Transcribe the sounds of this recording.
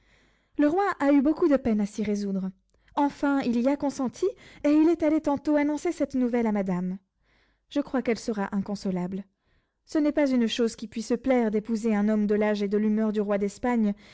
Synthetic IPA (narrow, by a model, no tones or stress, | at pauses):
ləʁwaʔaybokud̪əpɛnasiʁezud̪ʁ | ɑ̃fɛ̃iliakɔ̃sɑ̃t̪ʰieilɛt̪alet̪ɑ̃t̪oanɔ̃sesɛt̪nuvɛlamad̪am | ʒ̥əkχwakɛlsəʁaʔɛ̃kɔ̃sɔlabl | sənɛpazynʃozkʲipɥisəplɛʁd̪epuzeɛ̃nɔmd̪əlaʒed̪əlymœʁd̪yʁwad̪ɛspaɲ